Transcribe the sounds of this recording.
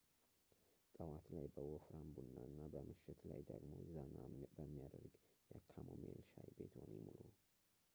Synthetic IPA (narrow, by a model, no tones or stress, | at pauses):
t̪ʼəwat̪lajbəwofɾambunːanːabəmɨʃːɪt̪lajd̪əɡmo̞̰zənabəmːijad̪əɾɡjɛkʰamomelʃajbe̞t̪honimulu